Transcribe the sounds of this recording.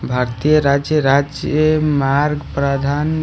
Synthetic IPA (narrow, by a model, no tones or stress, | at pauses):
bʱaɾt̪ijəɾad͡ʒjəɾad͡ʒjəmaɾɡpɾəd̪ʱan